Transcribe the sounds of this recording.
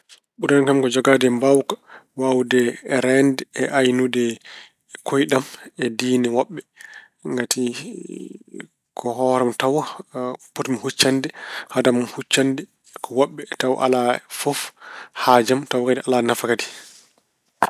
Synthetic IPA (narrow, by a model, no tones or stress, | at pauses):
ɓuɾankamkɔd͡ʒɔɡadɛmbawkḁwawdɛːɾɛndɛɛʔajnudɛ | kʰojɗamɛdiːnɛwɔɓːɛ | ŋɡati | kʰɔɦɔɾamtaw | pɔtmhut͡ʃːandɛhadamhut͡ʃːandɛ | kɔwaɓːɛtaw̰ʔa̰lafofhad͡ʒamtawkadɛʔalanafakadi̥